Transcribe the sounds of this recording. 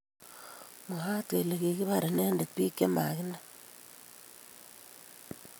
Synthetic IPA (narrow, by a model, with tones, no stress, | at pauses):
mo˨ɦa˦twe˨le˨ɣi˨ɣi˦βa˦˨ɾe˨ne˦nde˨tpi˦ke˦ma̰˨ɣi˦na˦